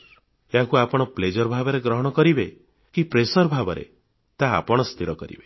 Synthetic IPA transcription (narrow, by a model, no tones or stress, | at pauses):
eɦakuapɔɽ̃ɔpled͡ʒɔɾbʱabɔɾeɡɾɔɦɔɽ̃ɔkɔɾibe | kipɾesɔɾbʱabɔɾḛ | t̪a̰ːpɔɽ̃ɔst̪ʰiɾɔkɔɾḭbe̥